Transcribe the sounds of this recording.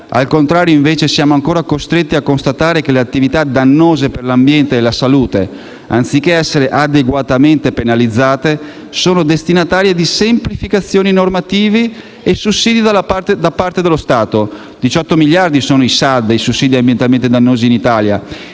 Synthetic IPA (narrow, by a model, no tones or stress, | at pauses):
a̰lkont̪ɾaːɾjoĩɱveːt͡ʃesjaːmoaŋkoːɾakost̪ɾet̪ːiakːonst̪at̪aːɾek̟eleat̪ːivit̪ad̪anːoːzeperlambjɛnt̪eːlasaluːt̪e | ant̪sikːeɛsːeɾeʔad̪eɡwat̪ament̪epenalid̪zːaːt̪e | soːnod̪est̪inat̪aːɾjed̪isemplifikat̪sːjoːninormat̪iːvi | esusːiːd̪id̪alpat̪ed̪apart̪ed̪elːost̪aːt̪o | d̪̥it͡ʃɔt̪ːomiʎjard̪isoːnoisad̪ːejsusːiːd̪iambjent̪alment̪ed̪anːoːziːnit̪aːlja̰